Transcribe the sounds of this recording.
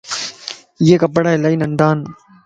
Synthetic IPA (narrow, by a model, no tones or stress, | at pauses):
jeːkapəɽaːɪlaːiːnəɳɖaːn